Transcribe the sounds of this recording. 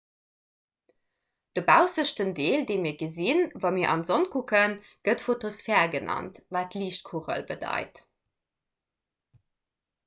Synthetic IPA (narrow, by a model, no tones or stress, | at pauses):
d̥əbæʊsəʃtəndeːldeːmiːɐɡəzinvɑmiːɐʔɑ̰nzonkʰukənɡ̥ətfotosfɛːɐɡənɑ̰ntvaːtliːʃt̚kʰuʁə̰lbədɑ̰ɪt